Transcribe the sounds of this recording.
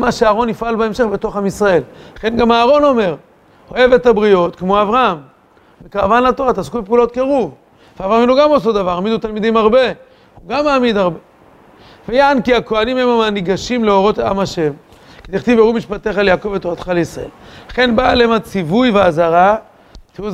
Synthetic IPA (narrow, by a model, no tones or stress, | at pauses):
maʃeaːʁo̞nifʔalbeemʃe̞χbe̞t̪o̞χamisʁae̞llaχe̞nɡamaːʁo̞no̞me̞ʁ | ho̞e̞vet̪abʁijo̞t̪kmo̞avʁaam | vekavanlat̪o̞ʁat̪askubepuːlo̞t̪̚keʁuv | veavʁamiluɡamosod̪avaʁamid̪ut̪almid̪imaʁbe̞ | huɡamaːmid̪aʁbe̞ | vejaankiako̞animhemamaniɡaʃimleo̞ʁo̞t̪a̰maʃe̞m | ked̪eχt̪iveumiʃpat̪eχaljaːkovet̪oʁat̪χalisʁa̰e̞̰llaχe̞nbalemat͡sivujveazaʁa | t̪iuz